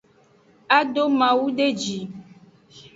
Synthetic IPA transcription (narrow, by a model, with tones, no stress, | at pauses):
a˦ɖo˦mã˨wu˦ɖe˦d͡ʒi˨